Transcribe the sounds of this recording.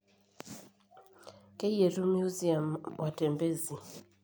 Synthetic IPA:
kɛ˦je˨ɾu˦mju˦zi˦a˨mwʔa˨tɛ˨mbɛ˦zi˨

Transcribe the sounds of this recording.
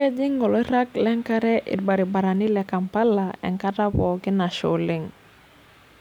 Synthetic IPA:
ɛ˦d͡ʒɪ˦ŋɡɔ˨lɔ˦ɾa˦klɛ˦ŋka˦ɾɛ˦ʔɪ̰˨d̚ba˨ɾi˨ba˨ɾa˨ni˦lɛ˨ka˨mpa˦la˨ɛ̰˨ŋkata˦bɔ˨ɡɪ˦na˨ʃo˨lɪ˦ŋ

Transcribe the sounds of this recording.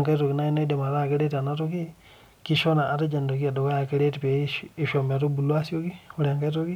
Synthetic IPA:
ŋka˦i˦t̬o˨ki˨na˦i˦na˦i˦de˨ma˨ɾaː˦˨ke˦ɾe˦ta˨natoki | ki˦ʃo˦naː˨ta˦d͡ʒa˨ndo˨ki˦a˨do˨ka˦ja˨ke˦ɾe˦ti˨peː˨ʃo˨me˨t̬o˦bu˨lwa˦si˦o˦ki˦oɾia˨ŋka˦itoki˦

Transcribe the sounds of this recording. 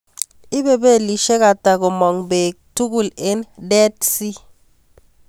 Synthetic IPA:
i˦ɓɛ˦ɓe˦li˨ʃɛ˦k̬a˨tʼa˨k̬ɔ˨mɔ˨ŋɓɛ˨ktʰu˦k̬u˨lɛ˦ndɛ˦tsi˦

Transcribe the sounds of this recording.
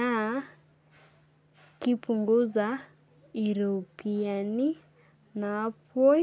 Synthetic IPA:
a | ki˦pu˨ŋɡu˦za | i˨ɾɔ˨u˨pi˨a˨ni˦ | na˨˦pɔ˦

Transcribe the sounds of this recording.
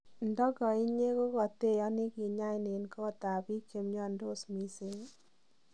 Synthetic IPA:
ndɔ˦ɡɔ˨ɪ˦ɲe˦ko˦kɔ˨t̪e˦˨jɔ˦nɪ˦ki˨ɲa˦ɪ˦nɪ˨nkɔ˦t̪a˨bi˦ke˨m˦ɲɔ˦˨ndo˦smi˦sɪ˦ŋ

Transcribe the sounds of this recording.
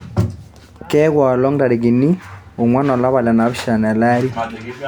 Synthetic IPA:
kɛ˦ɣwa˨lɔ˦ŋda˨ɾe˨ɡi˨ni˦ | o˨ŋwa˦nɔ˨la˦βa˨la˨na˨˦βʃa˨na˨laː˦ɾi˦

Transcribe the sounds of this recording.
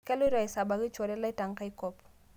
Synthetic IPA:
kɛ˦lɔ˦i˦ɾɔ˨i˨sa˨ba˨ki˦t͡ʃɔ˨ɾɛ˦la˦i˦ta˨ŋka˦i˦kɔ˦p

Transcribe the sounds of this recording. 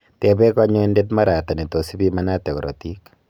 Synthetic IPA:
tɛ˨bɛ˦kɔ˦ɲɔ˦i˦ndetma˦ɾa˨ta˨ne˨to˨si˦bima˦na˦te˨kɾɔ̰˨ti˦k

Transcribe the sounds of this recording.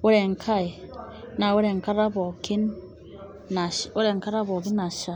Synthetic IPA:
wo˦ɾe˨ŋ̩˨kʰa˦i˨ | na˨we˦ɾe˨ŋ̩˨ka˦ɾa˦bɔ˨ki˦nː | a˨wo˦ɾe˨ŋ̩˨ka˦ɾa˦bɔ˨ki˦nː˦a˨ʃa˦

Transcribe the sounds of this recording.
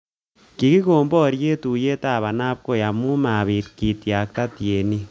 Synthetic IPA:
ki˨ki˦koː˨mbo˦ɾje˦tu˨je˦ta˦˨βa˨na˦bɡo˦˨ja˨mu˦ma˨βi˨ɾiki˨ti˨a˨ki̥ta˦ti˨e˨ni˦

